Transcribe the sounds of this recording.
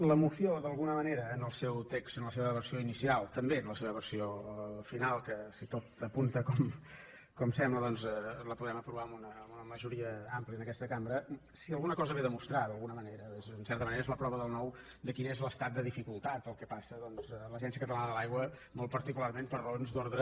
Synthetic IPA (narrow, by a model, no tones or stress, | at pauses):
ləmusioðəlˠɣunəməneɾəːnəlˠsewt̪ekst̪ənləseβəβərsioinisialˠt̪əmbeənləseβəβərsiofinalˠkəsit̪ot̪əpunt̪əkɔm | kɔmsɛmbləðɔnzɛləpuðɛməpɾuβaəmunəunəməʒuɾiəampliənəkɛst̪əkambɾə | siəlˠɣunəkɔzəβeðəmust̪ɾaðəlˠɣunəməneɾəezənsɛɾt̪əməneɾezləpɾɔβəðəlˠnɔw | d̪əkinezləst̪at̪̚d̪əðifikulˠt̪at̪̚əlˠkɛpasəðɔnzɛləʒɛnsiəkət̪əlanəðəlˠajɣwə | molˠt̪̚pəɾt̪ikularmempəɾrəonzd̪oɾðɾə